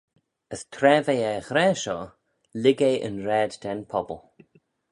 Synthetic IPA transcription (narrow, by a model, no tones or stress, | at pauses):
əstʰɾɛːvejɛxɾɛːʃɔ | lɪɡeʔə̰nɾɛːddɛnpʰɔbəlˠ